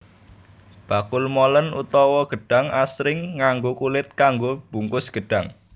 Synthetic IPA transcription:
b̥a̤kʊlmɔlənṵt̪ɔwɔɡ̥ə̤ɖ̥a̤ŋasɾɪŋːaŋɡokulɪt̪̚kaŋɡob̥ṳŋkʊsɡ̥ə̤ɖ̥a̤ŋ

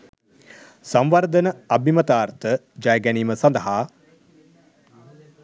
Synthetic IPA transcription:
samʋɐrd̪ənəɐbʱimət̪aːrt̪ə | d͡ʒajəɡæniːməsɐnd̪əɦaː

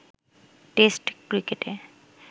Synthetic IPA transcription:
ʈesʈkɾikeʈe

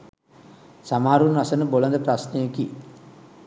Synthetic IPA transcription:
samaɦaɾunʋasənəbolənd̪əprasnejəki

